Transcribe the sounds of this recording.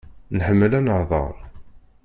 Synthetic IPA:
nħəmːəlænəʕðˤə̰ɾˤ

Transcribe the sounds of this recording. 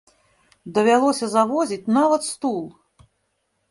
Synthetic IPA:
d̪ɐvʲalˠɔsʲɐzavɔzʲit͡sʲnavɐt̪st̪ulˠ

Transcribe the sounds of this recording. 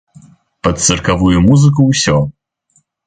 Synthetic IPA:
pɐt̪sɨrkavujumuzɨk̬uwsʲɔ

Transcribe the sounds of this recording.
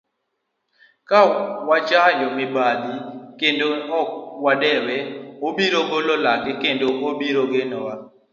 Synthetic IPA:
kawat͡ʃajɔmɪbad̪ikendoɔwadɛwɛobiɾoɡololakɪkendoʔobiɾoɡɪnɔwa

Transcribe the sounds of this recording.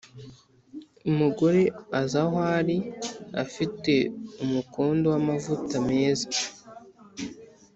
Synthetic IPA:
umuɡo̞ɾe̞azaɦaɾiafite̞umukuːndowamavutame̞ːza

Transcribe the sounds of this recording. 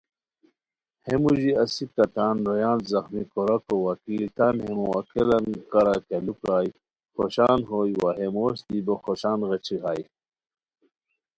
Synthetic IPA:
hemuʑiɐsikɐt̪aːnɾojaːnzɐxmikoɾɐkowɐkiːlt̪amhemuɐkelɐnkɐɾakelukɾaːj | xoɕaːnɦoːjwaɦemoːɕd̪iboxoɕaːnɣet͡ɕʰiɦaːj

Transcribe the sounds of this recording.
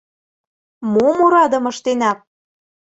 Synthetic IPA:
momoɾɑd̪ə̆mɤ̆ʃt̪enɑp̚

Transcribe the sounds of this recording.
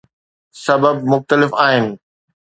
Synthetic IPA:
sɐbəb̚mʊxt̪əlɪfaːɦɪnɪ̆

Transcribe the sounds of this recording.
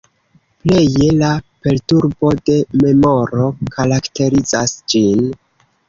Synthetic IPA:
ple̞je̞lape̞ltuɾbo̞de̞me̞mo̞ɾo̞kaɾakte̞ɾiza̰sd͡ʒin

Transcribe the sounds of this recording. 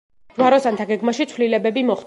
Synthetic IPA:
d̥̪ɡwaɾɔsant̪ʰaɡɛɡmaʃit̪sʰlilɛbɛbimɔχ

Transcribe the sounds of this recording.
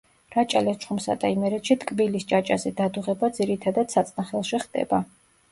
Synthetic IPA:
ɾat͡ʃʼalɛt͡ʃʼχumsa̰d̪aimɛɾɛt̪ʃit̪kʼbilist͡ʃʼat͡ʃʼazɛd̪ad̪uʁɛbad̪ziɾit̪ʰad̪ad̪̥sat̪sʼnaχɛlˠʃiχd̪ʼɛ̰ba

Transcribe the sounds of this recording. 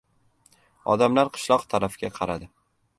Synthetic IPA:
ɒ̰d̪amlaɾqʰɨ̥ʃlˠɒqt̪ʰaɾafɪɡʲaqʰɑɾad̪ɪ

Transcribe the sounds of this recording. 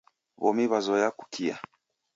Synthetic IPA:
βɔmiβazɔjaku̥kʰia̰

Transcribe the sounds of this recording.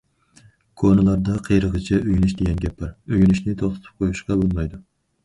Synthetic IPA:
kʰonɨlˠɑɾd̪ɑqʰejɾəʁət͡ʃʰɛʔøjynyʃd̪eɡʲɛnɡʲɛpːɪɾøjynyʃnɪt̪ʰoχt̪ʰt̪ʰɨ̥p̚qʰojuʃqɑbolˠmɑjd̪u

